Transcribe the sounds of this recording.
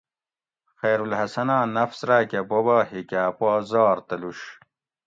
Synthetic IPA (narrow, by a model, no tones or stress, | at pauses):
xeːɾulɦɐsɐnãːnɐfsɾaːkɐbobahikaːpozɑːɾt̪ɐluɕ